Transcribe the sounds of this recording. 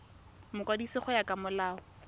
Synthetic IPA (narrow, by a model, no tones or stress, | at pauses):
mʊkʼwadisɪχʊjakʼamʊlaːʊ